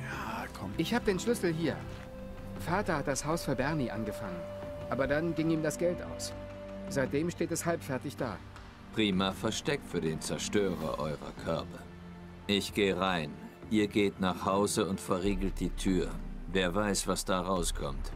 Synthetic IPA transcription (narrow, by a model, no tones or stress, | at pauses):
aɔʔɪçhaːbədeːnʃlʏsl̩ɦiːɐ | faːɐtɐhat̚d̥ashaʊsfɔnbɛɐniʔa̰nɡəfaŋənʔaːbɐdanɡɪŋiːmdasɡ̥ɛltʔa̰ʊs | z̥aɪt̚d̥eːmʃteːtɛshalpfɛɐtɪçd̥a̰ː | pʁ̥iːmafɛɐʃtɛk̚tfyːɐdeːnt͡sɛɐʃtøːʁɐ̰ʔɔ̰ʏʁɐ̰kʰœɐpʰɐ | ʔɪçɡ̥eːəʁaɪn | ʔiːɐɡeːtnaːχhaʊzəʊntfɛɐʁiːɡl̩t̚d̥iːtʰyːɐveːɐvaɪsv̥asd̥aːʁaʊskʰɔmt